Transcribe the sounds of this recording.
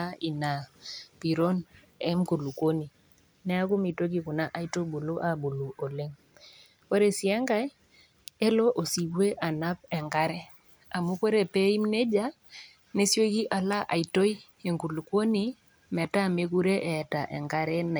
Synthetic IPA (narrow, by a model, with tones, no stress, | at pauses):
a˦i˨na˨pi˨ɾo˦n | ɛ˦mku˨lu˨kwo˦ni˨ | nɛ˦a˦ku˦mi˨to˦k̬i˨ku˨na˦ʔa˨i˦to˦bu˨lu˦ʔa˨bu˨lu˨o˨le˦ŋ | ko˦ɾe˨si˨ɛ˦ŋɡa˦j | e˦lo˦ʔo˨si˨be˦ʔa˨na˦pɛ˨ŋɡa˦ɾɛ˦ | a˨mu˦ko˦ɾe˨pe˦i˦mne˦d͡ʒa˦ | ne˦sjo˦ki˦ʔa˨la˦ʔa̰˨i˨to˦i˦ | e˨ŋku˨lu˨kwo˦ni˦ | mɛ˨ta˦˨me˦ku˦ɾe˦ʔɛ˨ta˨ʔɛ̰˨ŋɡa˦ɾɛ˦n˨